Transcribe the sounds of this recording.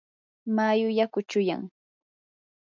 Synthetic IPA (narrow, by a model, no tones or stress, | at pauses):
majʊjakʊt͡ʃʊja̰ŋ